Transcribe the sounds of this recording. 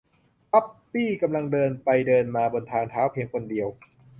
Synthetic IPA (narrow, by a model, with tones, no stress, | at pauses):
pa˦˥pːiː˥˩ka˧mla˧ŋdɤː˧npa˧jdɤː˧nmaː˧boː˧nt̪ʰaː˧ŋt̪ʰaː˦˥wpʰi˧əŋkʰo˧ndi˧əw